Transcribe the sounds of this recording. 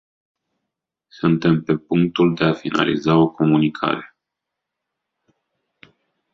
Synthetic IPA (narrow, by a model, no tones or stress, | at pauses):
sunt̪e̞mpe̞puŋk̚t̪uld̪e̞afina̰lḭzao̞ko̞munikʰa̰ɾe̞